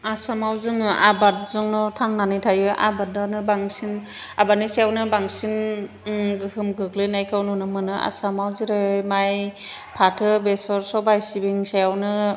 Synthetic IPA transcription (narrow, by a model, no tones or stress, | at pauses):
asamawzɯŋɯʔabat̚zɔŋnɔtʰaŋnanɯjtʰajɯʔa̰bat̚ːanɯbaŋsin | abatnisajawnɯbaŋsin | ɡɯhɯmɡɯklɯjnajkʰawnɔnɯmɯnɯʔa̰samawziɾɯmajpʰatʰɯbesɔɾsɔbajsibiŋsajawnɯ